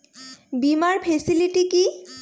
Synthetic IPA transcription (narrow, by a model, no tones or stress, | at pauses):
bimaɹpʰesiliʈiki